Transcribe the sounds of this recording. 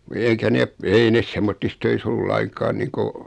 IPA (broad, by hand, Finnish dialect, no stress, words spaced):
eikæ nep ei nes semːotːis tøis olːu lɑiŋkɑːn niːŋko